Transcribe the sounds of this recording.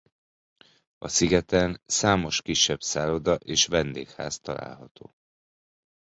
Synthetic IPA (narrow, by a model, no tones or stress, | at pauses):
ɒsiɡɛt̪ɛnsaːmo̞ʃkiʃːɛb̥saːlo̞d̪ɒʔeːʃvɛnd̪eːkha̰ːst̪ɒla̰ːlɦɒt̪o̰ː